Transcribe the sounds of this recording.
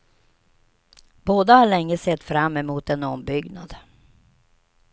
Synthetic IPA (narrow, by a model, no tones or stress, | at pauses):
b̥oːd̪ahaɭɛŋːəsɛt̪ːfɾamːɛmuːt̪ɛnɔmbʏɡnad̪